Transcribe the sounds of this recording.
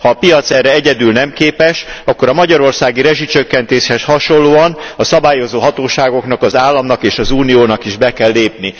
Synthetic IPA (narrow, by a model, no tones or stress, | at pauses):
hɒːpijɒt̪sɛrɛɛɟɛd̪yːlnɛmkeːpɛʃɒkːo̞ɾɒmɒɟɒɾo̞rsaːɡiɾɛʒit͡ʃø̞kːɛnt̪eːʃhɛshɒʃo̞lːoːɒnɒsɒbaːjo̞zoːɦɒt̪oːʃaːɡo̞knɒkɒzaːlːɒmnɒkeːʃɒzuːnijoːnɒkiʒbɛkɛlːeːpni